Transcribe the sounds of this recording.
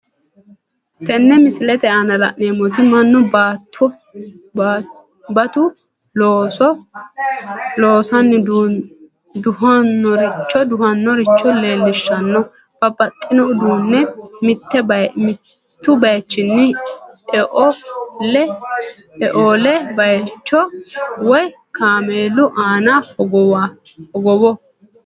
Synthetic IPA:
t̪ɛnːɛmɪsɪlɛt̪ɛɐnɐlɐ̰neːmɔt̪ɪmɐnːʊbaːt̪ʰːɔ | bɐt̪ʊ | loːsɔ | loːsɐnːɪd̪ | d̪ʊɦɐnːɔɾɪt͡ʃːɔd̪ʊhɐnːɔɾɪt͡ʃːɔle̞ːlːɪʃːɐnːɔ | b̥ɐpʼːɐt̪ʼːɪnɔʊd̪uːnːɛmɪt̪ːɛbɐmɪ | t̪ːʊbɐjt͡ʃːɪnːɪɛʔɔlɛ | ɛʔolɛbɐjt͡ʃːɔwɔj | kaːmeːlʊʔaːnaɔɡɔw | hɔɡɔwɔ

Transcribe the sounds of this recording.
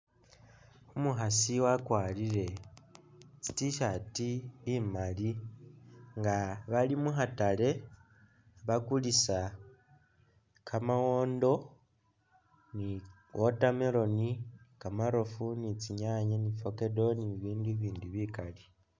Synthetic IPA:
umuɦasiwakwaːliɾe̞ | t͡si̥tiʃatiːmali | ŋɡaβalimuɦatale̞ | βakulisa | kʰamawo̞ːndo̞ | ni | wo̞tameɾo̞nikamaɾo̞funit͡siɲaɲanifoke̞do̞niβiːndiβiːndiβikali

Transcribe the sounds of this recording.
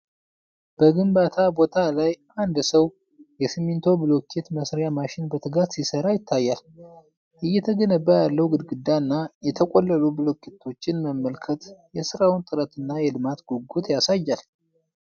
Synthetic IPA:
b̥əɡɨmbat̪ʰabo̞t̪ʰalajʔand̪səw | jɛsɨmːint̪ʰo̞bɨlokʰet̪məsɾjamaʃɪnbət̪ʰɨɡat̪sisəɾajɪt̪ʰːajːal | ʔɨjːɛt̪ʰəɡənəbːajalːəwɡɨd̪ɡɨd̪ːanːajɛt̪ʰəkʼolːəlubɨlokʰːet̪ʰo̞t͡ʃːɪnməmːəlkʰət̪jɛsɨɾawɨnt̪ʼɨɾət̪ɨnːajɛlɨmat̪ɡ̥oɡut̪jasajːal

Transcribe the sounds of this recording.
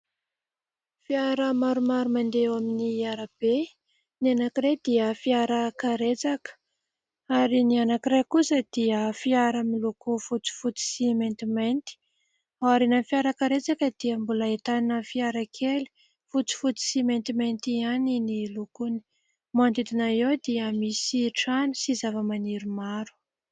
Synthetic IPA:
fiaɾəmaɾumaɾumand̪ewaminiaɾəb̥e | nianakiɾejd̪iəfiaɾəkaɾet͡sakə̥ | aɾinianakiɾejkusəd̪̥iəfiaɾəmilukufut͡si̥fut͡si̥siment̪iment̪i̥ | aaɾinafiaɾəkaɾet͡sakəd̪̥iəmbuləet̪aninəfiaɾakʰeli̥ | fut͡si̥fut͡si̥siment̪iment̪ianinilukuni̥ | mand̪it̪inaewd̪iəmisiʈ͡ʂanisizavəmaniɾumaɾu̥

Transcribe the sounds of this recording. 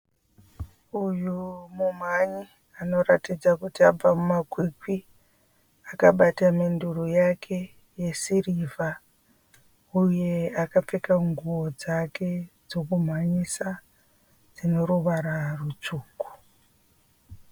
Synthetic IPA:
ujumum̤aɲi | ano̞ɾatid͡zakutiab͡vamumakwikwi | akaɓatamendurujakʰe | je̞siriva | uje̞akap͡fekaŋɡuwod͡zakʰe̞d͡zo̞kum̤waɲisa | d͡zino̞ɾuʋaɾarut͡ʂuːku̥

